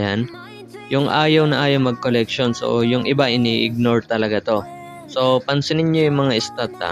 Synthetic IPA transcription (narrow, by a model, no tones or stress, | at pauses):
jan | jʊŋʔaːjɐwnɐʔaːjoŋmɐɡ̚kolɛkʃonsʔo̰jʊŋʔɪbaʔɪniʔɪɡ̚noɹt̪ɐlɐɡat̪o̞ | so̞pɐnsɪnɪɲjo̞jʊŋmɐŋaʔɪst̪ad̪a̰